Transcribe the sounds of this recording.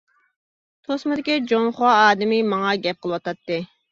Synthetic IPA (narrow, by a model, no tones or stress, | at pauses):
t̪ʰosmɨd̪ɪkʲid͡ʒonχowɑɑːd̪ɪmɪmɑŋɑɡʲɛp̚qəlˠɨwɑt̪ɑt̪ːɨ